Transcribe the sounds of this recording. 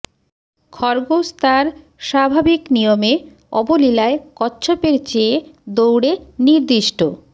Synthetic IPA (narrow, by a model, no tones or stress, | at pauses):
kʰɔɾɡost̪aɾ | ʃabʱabiknijome | ɔbolilaekɔtːɕʰopeɾt͡ɕeːd̪owɽeniɾd̪iʃʈo